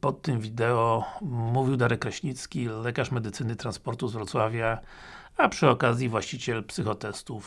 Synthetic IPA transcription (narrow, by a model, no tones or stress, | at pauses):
pɔt̪ːɘmvʲid̪ɛɔmuvʲiwd̪aɾɛkɾɛɕɲit̪skʲilɛkaʂmɛd̪ɘt̪sɘnɘt̪ɾanspɔɾt̪uzvɾɔt̪swavʲja | apʂɘɔkazʲjivwaɕt͡ɕit͡ɕɛlpsɘxɔt̪ɛst̪uf